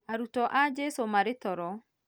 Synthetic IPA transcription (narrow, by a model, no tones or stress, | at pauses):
aɾutɔʔad͡ʒesomaɾetɔɾɔ